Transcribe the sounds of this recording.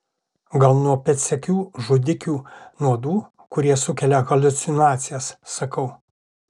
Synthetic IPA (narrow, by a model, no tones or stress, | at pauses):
ɡɐlˠnuɔpʲɛt̪sʲɛkʲuːʒʊd̪ʲɪkʲuːnuɔd̪uː | kʊɾʲiɛsʊkʲɛlʲɛɣɐlʲʊt̪sʲɪnɑːt̪sʲɪjɛsːɐkɐʊ